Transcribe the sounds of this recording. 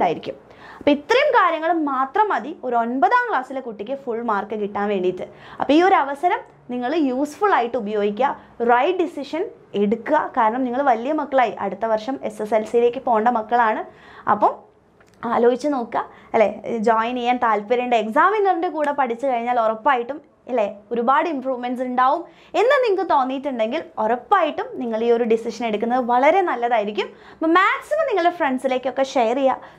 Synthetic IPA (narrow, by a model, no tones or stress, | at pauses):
uɳɖaːjiɾikʲːum | ɐpːoːit̪ːrɐjumkaːɾjɐŋːɐɭumːaːt̪rɐmɐðio̞ɾo̞nbɐðaːmkɭaːsilekuʈːikʲːɨfuɭːmaːrkɨkiʈːaːnʋe̞ːɳɖijt̪ːɨɐ̰pːɐiːo̞ɾɐʋɐsɐɾɐm | niŋːɐɭjuːsfuɭaːjiʈːɨubɐjo̞ːɡikʲːɐ | rɐjʈ̚ɖisiʂɐn | eɽukːuɣɐkaːɾɐɳɐmniŋːɐɭʋɐlijɐmɐkːɐɭaːjiʔɐ̰ɽut̪ːɐʋɐrʂɐme̞seselsijile̞ːkʲːɨfo̞ːɳɖɐmɐkːɐɭaːɳɨɐ̰pːɐm | aːlo̞ːɦit͡ɕːɨno̞ːkːɐ | ɐlːed͡ʑoːjnijːaːnt̪aːlpiɾɐɳɖeːksaːminɐrinde̞kuːɽepɐʈʰit͡ɕːɨkɐɻiɲːaːlo̞rɐpːaːjiʈːum | ɐlːeo̞ɾubaːɽɨimpruːʋmensuɳɖaːʋum | e̞nːɨniŋːɐkɨt̪o̞ːnːijːiʈːuɳɖe̞ŋɡilo̞rɐpːaːjiʈːumniŋːɐɭiːo̞ɾuɖisiʂɐne̞ɽukʲːunːɐðɨʋɐɭɐɾe̞nɐlːɐðaːjiɾik̬ʲːum | ɐpːɐmaːksinɨniŋːɐɭefreɳɖsile̞ːkʲːo̞kːe̞ʂejɐrija